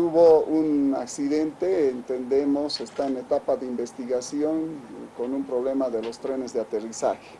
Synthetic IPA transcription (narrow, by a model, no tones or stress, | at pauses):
uβouna̰ksiðe̞nt̪eːnt̪end̪emo̞sest̪aene̞t̪apaðeimbe̞st̪iɣasjo̞ŋko̞numpɾoβle̞maðe̞lo̞st̪ɾe̞ne̞zðeat̪e̞risa̰xe̥